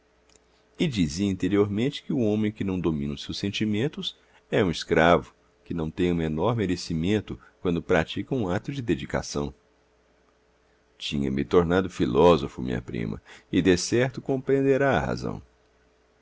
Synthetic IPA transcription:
ɪd͡ʒiziĩnt̪eɾioɾmẽnt͡ʃɪ̥kɪʊõmẽj̃kɪnɐ̃w̃d̪omĩnɐʊsewsẽnt͡ʃimẽnt̪ʊs | ɛũiskɾavʊ | kɪnɐ̃w̃t̪ẽj̃ũmenɔɾmeɾesimẽnt̪ʊ | kwɐ̃nd̪ʊpɾat͡ʃikɐũat̪ʊd͡ʒɪd̪ed͡ʒika̰sɐ̰̃w̃ | t͡ʃĩɲɐ̰mɪt̪oɾnad̪ʊfilɔzofʊmḭ̃ɲɐ̰pɾḭ̃mɐ̰ɪd̪esɛɾt̪ʊkõpɾeẽnd̪eɾaɐ̰ha̰zɐ̰̃w̃

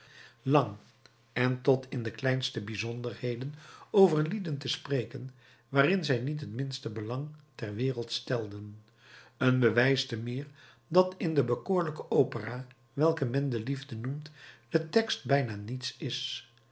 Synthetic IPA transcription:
lɑŋ | ɛntɔtʰɪndəklɛjnstəbizɔndəɹhejdənowvəɹlidəntəsprejkən | ʋaːrɪnzɛjnit̬ɦətmɪnstəbəlɑŋtɛrʋɪːrəlˠtstɛlˠdən | ənbəʋɛjstəmɪːɹ | dɑtɪndəbəkʊːɹləkəʔowpəraː | ʋɛlˠkəmɛndəlivdənumtd̥ətɛkst̚bɛjnaːnitsɪs

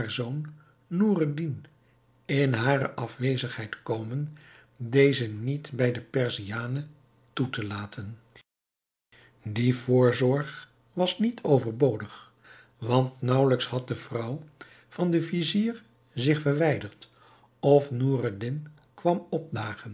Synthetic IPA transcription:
ɦaːɹzownː | uradin | ɪnɦaːɾə̰ʔɑfʋejzəχɦɛjtkowmən | dejzənitbɛjdəpɛɹzijaːnə | tutəlaːtʰən | divʊːɹzɔɹχ | ʋɑsnitʰowvəɹbowdəχ | ʋɑntnɑwləkshɑt̚dəvrʌw | vɑndəviziːɹ | zɪχfəɹʋɛjdəɹt | ɔfnuːradɪn | kʋɑmɔp̚daːχən

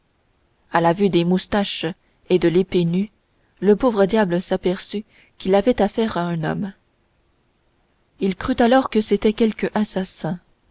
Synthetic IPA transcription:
alavyd̪emust̪aʃ | ed̪əlepeny | ləpovʁəd̪jabləsapɛʁsy | kʲilavɛt̪afɛːʁaɛ̃nɔ̰m | ilkχyt̪alɔʁkəset̪ɛkʲɛlkəʔasasɛ̃

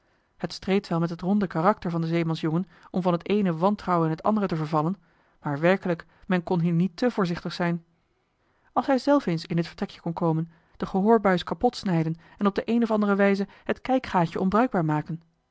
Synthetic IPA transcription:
hətstrejtʋɛlˠmɛtɦətrɔndəkaːrɑk̚təɹvɑndəzejmɑnsjɔŋən | ɔmvɑnɦətejnəʋɑntrɑwɛnɦətɑ̰ndərətəvəɹvɑlən | maːɹʋɛɹkələk | mɛnkɔnɦiːɹnitəvʊːɹzɪχtəχsɛjn | ɑlˠsɦɛjzɛlˠfensɪndɪtfəɹtrɛkjə̥kɔnkowmən | d̥əχəɦoːɹbœɥskɑpɔtsnɛjdən | ɛnɔb̚dəʔejnɔfɑndərəʋɛjzə | hətkɛjkχaːcəʔɔmbrœɥɡ̚baːɹmaːkən

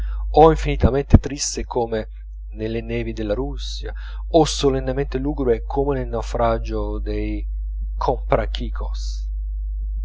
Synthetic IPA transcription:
ɔiɱfinit̪ament̪et̪ɾisːekʰoːme | nelːenɛːvid̪elːaɾusːja | osolenːement̪eluːɡɾwekʰomenelnawfɾad͡ʒod̪ej | kʰompɾak̟ikʰos

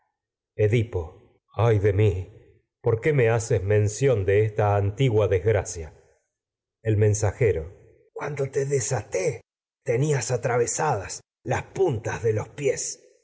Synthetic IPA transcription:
eðipo | ajðe̞mi | po̞ɾkeme̞asezmẽ̞nsjo̞nd̪eest̪aːnt̪iɣwaðezɣɾasja | elmẽ̞nsaxe̞ɾo̞ | kwand̪o̞t̪eðesat̪e | t̪eniasat̪ɾaβesaðas | laspunt̪azðe̞lo̞spje̞s

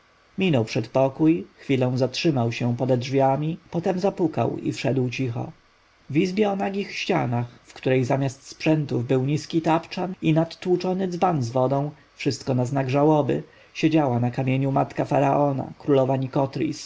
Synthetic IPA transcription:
mʲinɔwpʂɛt̪pɔkujxfʲilɔ̃w̃zatʂɘmawɕɛ̃pɔd̪ɛdʐvʲjamʲipɔt̪ɛmzapuka̰wḭfʂɛd̪wt͡ɕixɔ̰ | vizbʲjɛɔnaɡʲixɕt͡ɕa̰naxfkt̪uɾɛjzamʲjast̪spʂɛnt̪uvbɘwɲiskʲit̪apt͡ʂaninat̪ːwut͡ʂɔnɘd̪zvanzvɔd̪ɔ̃w̃ | fʂɘst̪kɔnaznaɡʐawɔbɘ̰ | ɕed͡ʑawanakamʲjeɲumat̪kafaɾaʔɔna̰kɾulɔvaɲikɔt̪ɾʲḭs

